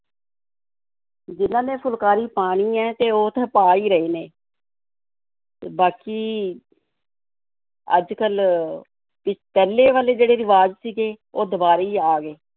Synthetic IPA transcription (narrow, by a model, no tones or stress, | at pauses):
d͡ʒɪnãːnẽːpʰʊlkaːɾiːpaːɽ̃iːɛːt̪eːoːt̪ʰãːpaːiːɾəiːneː | ebaːkiː | ə̰d͡ʒkəl | pɪt͡ʃpɛːleːʋaːleːd͡ʒeːɽeːɾɪʋaːd͡ʒsiːɡeːoːd̪əbaːɾiːaːɡeː